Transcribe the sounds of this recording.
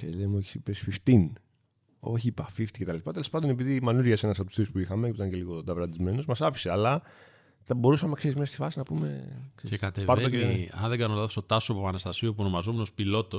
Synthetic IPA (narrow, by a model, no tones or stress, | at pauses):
celemoç̥sipesfift̪in | o̞̰çipɐfift̪i̥ce̞t̪ɐlespɐt̪elespɐnd̪o̞nep̬iðimɐnuɾʝɐse̞nɐs̬ɐpot̪sθɾispuixɐmeit̪ɐnce̞liɣo̞d̪ɐvɾɐt̪izme̞nozmɐsɐfi̥se̞ɐlɐ | θɐbo̞ɾusɐme̞kse̞ɾizmest̪i̥fɐsinɐpume̞̰kseieskɐt̪epɐd̪oɐ̰nðeɡɐnolɐðost̪o̞t̪ɐsoepopɐnɐst̪ɐsiopuono̞mɐzomeno̞spilo̞t̪o̞s